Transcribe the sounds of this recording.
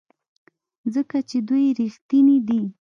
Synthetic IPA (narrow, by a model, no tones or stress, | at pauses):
zəkat͡ʃed̪ujɾixt̪inid̪i